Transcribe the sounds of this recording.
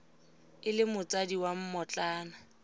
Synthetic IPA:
ɪlɪmʊt͡sʼadiwam̩mɔt͡ɬʼaːna

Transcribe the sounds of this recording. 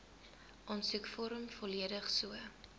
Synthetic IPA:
ʔɔntsukfɔɾəmfɔliədəχsuə

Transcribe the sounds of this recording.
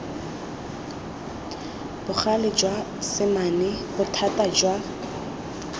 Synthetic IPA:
b̥ʊχalɪd͡ʒwa | sɪmanɪbʊtʰatʼad͡ʒwa

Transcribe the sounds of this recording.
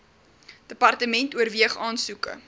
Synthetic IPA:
d̥əpɐrtəmɛntuərviəχɑːnsukə̰

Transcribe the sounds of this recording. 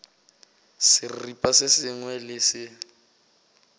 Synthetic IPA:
sɪripʼasɪsɪŋwɛlɪsɪ

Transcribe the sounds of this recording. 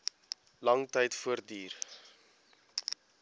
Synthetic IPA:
lɐŋtəjtfuərdiːr

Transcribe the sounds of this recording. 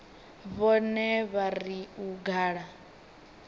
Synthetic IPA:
βɔnɛβaɾiuɡaːɺa

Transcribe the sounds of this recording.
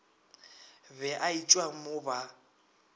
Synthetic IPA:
bɛʔait͡ʃʼwamʊba

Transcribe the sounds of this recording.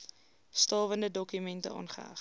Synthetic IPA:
stɑːvəndədɔkymɛntəɑ̰ːnχə̰ɐ̰χ

